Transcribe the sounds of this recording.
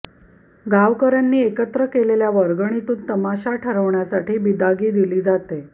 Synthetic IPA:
ɡaʋkəɾanːiːekət̪ɾəkeleljaʋəɾɡəɳ̃it̪uːnt̪əmaɕaʈʰəɾəʋɳjasaʈiːbid̪aɡiːd̪iliːd͡zat̪e

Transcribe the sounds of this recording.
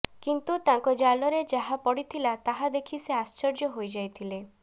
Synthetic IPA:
kint̪ut̪aŋkɔd͡ʒalɔɾed͡ʒaɦapɔɽit̪ʰilat̪aɦad̪ekʰiseast͡ʃɔɾd͡ʒɔɦojd͡ʒajt̪ʰile

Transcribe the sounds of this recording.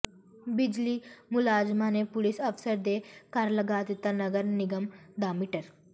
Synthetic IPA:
bid͡ʒlimulaːd͡ʒmanepulisɐfsəɾd̪ekaɾlɐɡaːt̪it̪ɐnɐɡəɾniɡɐmd̪aːmiʈəɾ

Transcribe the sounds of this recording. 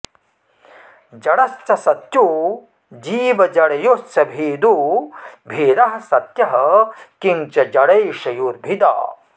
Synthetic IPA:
d͡ʒɐɽɐst͡ʃɐsɐt̪ju | d͡ʒiːʋɐd͡ʒɐɽɐjost͡ʃɐbʱiːd̪u | bʱiːɾɐɦɐ̆sɐt̪jɐɦɐkint͡ʃɐd͡ʒɐɽɐjʃɐjuɾbʱid̪a̰ː

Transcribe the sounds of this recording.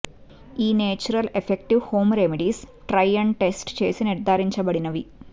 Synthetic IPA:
iːneːt͡ɕːuɾɐlefekʈiʋho̞ːmremiɽisʈrɐjːɐɳʈe̞sʈt͡ɕḛːsɨneɽd̪aːɾiɲt͡ɕɐbɐɽinɐʋi

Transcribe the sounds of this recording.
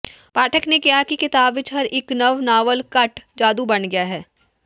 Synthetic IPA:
paːʈʰəknekiɦakikɪt̪aːbʋɪt͡ʃɦɐɾɪknɐʋnaːʋəlkɐʈd͡ʒaːd̪ubɐnɡɐjaɦɛː

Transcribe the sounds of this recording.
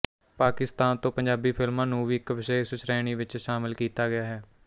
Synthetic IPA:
paːkɪst̪aːnt̪õːpəɲd͡ʒaːbiːpʰɪlmãːnũːʋiːɪkʋɪʃɛːɪsʃɾɛːɽ̃iːʋɪt͡ʃʃaːmɪlkiːt̪aːɡɪjaːɦɛː

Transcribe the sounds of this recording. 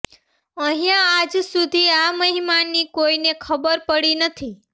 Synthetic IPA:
əɦijãːd͡ʒsud̪ʱiaməɦimanikoinekʰəbəɾpəɽinət̪ʰi

